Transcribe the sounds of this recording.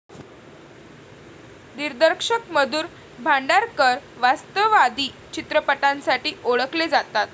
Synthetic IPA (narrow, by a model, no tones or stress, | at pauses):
niɾd̪əɾkʂəkməd̪uːɾ | bʱaɳɖaɾkəɾʋast̪əʋad̪iː | t͡ɕit̪ɾəpəʈãnsaʈiːʔoɭəkled͡zat̪at̪